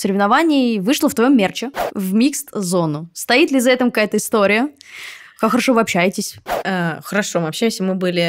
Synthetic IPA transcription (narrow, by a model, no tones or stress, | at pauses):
fsəɾʲɪvnɐvanʲɪːvɨʂlˠəft̪vɐjo̞mʲːert͡ɕɪvmʲikst̪zo̞nʊst̪ɐit̪lʲɪzɐɛt̪əmkɐkajət̪əɪst̪oɾʲɪjə | kakxəɾɐʂo̞vɨɐpɕːæjɪtʲɪsʲaxəɾɐʂomɨɐpɕæjɪmsʲəmɨbɨlʲɪ